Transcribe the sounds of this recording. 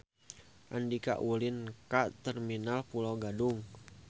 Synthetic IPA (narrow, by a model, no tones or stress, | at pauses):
ʔandika̰ʔʔulinkaʔt̪ɛrminalpulawɡaduŋ